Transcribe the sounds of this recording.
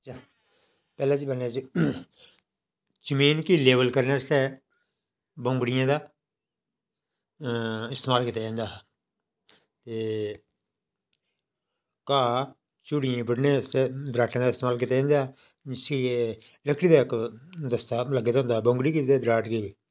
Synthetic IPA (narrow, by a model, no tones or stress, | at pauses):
t͡ʃaː | pɛːlãːd͡ʒiːbənned͡ʒiː | d͡ʒəmiːnkiːleːʋəlkəɾneːəst̪ɛː | bõːŋɡɽɪjãːd̪aː | ɪst̪eːmaːlkɪt̪eːẽːnd̪aːɦ | t̪eː | kaː | t͡ʃʊɽɪjãːbəɽnẽːəst̪ɛːd̪ɾaːʈʰːãːd̪aːɪst̪eːmaːlk̬ɪt̪eːẽːnd̪aː | ɪsie | ləkʰɽiːd̪aːɪkd̪əst̪aːləɡːeːd̪aɦõːnd̪aːbõːŋɡɽiːkid̪eɛːd̪ɾaːʈkiːbiː